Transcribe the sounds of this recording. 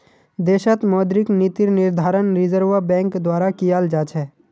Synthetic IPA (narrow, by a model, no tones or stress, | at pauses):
d̪eːʃət̪mɔːd̪ɾɪknit̪ɪɾnɪɾd̪ʱaːɾənɾɪzəɾʋabɛ̃ːŋkd̪waːɾakijald͡ʒaːt͡ʃʰɛː